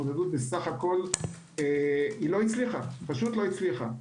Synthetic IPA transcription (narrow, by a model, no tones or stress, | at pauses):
od̪edut̪̚besaχako̞l | eilo̞it͡sliχapaʃut̪lo̞it͡sliχa